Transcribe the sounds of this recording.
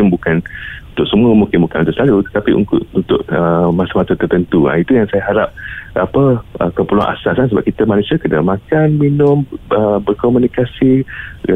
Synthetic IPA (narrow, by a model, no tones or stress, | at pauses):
ɪmbukanunt̪ʊʔ̚səmuəmukɪmbukanunt̪ʊʔsəlalut̪ə̥t̪apiʔṵnʔunt̪ʊʔ̚əmasəmat̪ət̪ərt̪ənt̪ua̰it̪ujaŋsajaɦaɾap̚apəʔə̰kəpulua̰ŋʔa̰sasansəbap̚kit̪əmanũsiakədəmãkanminʊməbərkomunikasi